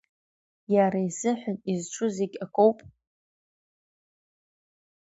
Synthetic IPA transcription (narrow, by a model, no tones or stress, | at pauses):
jaɾaizɨħʷᶣʊnʼizʈ͡ʂʷʰʊzeɡʲʼakʷʼowpʼ